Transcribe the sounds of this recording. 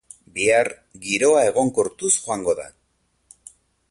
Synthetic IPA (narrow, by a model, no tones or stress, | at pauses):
biaɾ | ɡiɾo̞ae̞ɣ̞o̞ŋkoɾt̪usxoaŋɡo̞ða̰